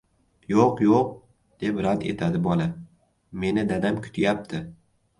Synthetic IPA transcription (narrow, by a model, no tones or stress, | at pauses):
joqjoq̚ | d̪̥e̞pɾant̪e̞̰t̪ʰad̪ɪbɒlˠa | me̞nɪd̪ad̪amkʰʊ̥t̪ʰɪjap̚t̪ʰɪ